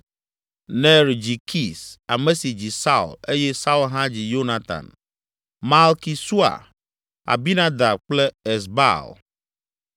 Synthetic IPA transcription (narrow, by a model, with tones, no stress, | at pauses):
nɛ̃˦ɾd͡ʑi˨kʰi˦˨sa˨mẽ˦si˨d͡ʑi˨sa˦ṵ˨le˦jɛ˦sa˦u˦lɦã˦d͡ʑi˨jo˦na˦t̪a̰˨n | ma˨lki˨su˦a̰˨ | a̰˨bi˦nã˦d̪a˨b̚k͡plɛ˦e˨sba̰˦˨l